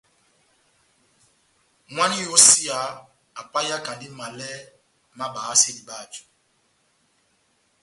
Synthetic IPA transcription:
ŋwa˦ni˦jo˦si˦a˨˦ | a˨pa˦ja˦ka˨ndi˦ma˨lɛ˦ | ma˦ɓa˨˦se˦di˨ɓa˦˨d͡ʒu̥˨

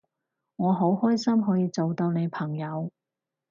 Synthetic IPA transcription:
ŋɔː˨˧ɦo˨˥whɔː˥jsɐ˥mɦɔː˨˥jiː˧t͡so˨wt̪o˧wne˨˧jpʰɐ˨˩ŋjɐ˨˧w

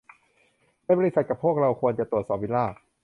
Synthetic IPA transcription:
ma˥˩jbɔː˧ɾi˧sa˨˩t̪̚ka˨˩pʰːu˥˩ək̚ɾa˧wkʰu˧ənt͡ɕa˨˩t̪u˨˩ət̪̚ɔː˩p̚wi˦˥nlaː˥˩

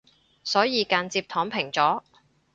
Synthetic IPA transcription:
sɔː˨˥jiː˧kaː˨nt͡siː˧p̚t̪ʰɔː˨˥ŋpʰɪ˨˩ŋt͡sɔː˨˥

